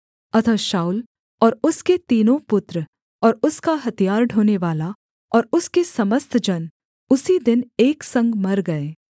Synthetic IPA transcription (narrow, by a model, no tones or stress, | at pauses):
ɐt̪ʰəʃaːʊl | ɔːɾʊsket̪iːnõpʊt̪ɾə | ɔːɾʊskaɦɐt̪ijaːɾɖʱoːneʋaːla | ɔːɾʊskesɐməst̪ʰd͡ʒɐn | ʊsid̪ɪneːksɐ̃ŋɡmɐɾɡɐeː